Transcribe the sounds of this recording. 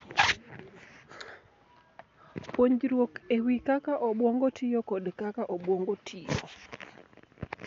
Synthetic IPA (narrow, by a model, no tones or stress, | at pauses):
pwoɲd͡ʒɾwokewikakaʔɔɓwoŋɡotʰijokɔdkakaʔɔbwoŋɡotʰijo̰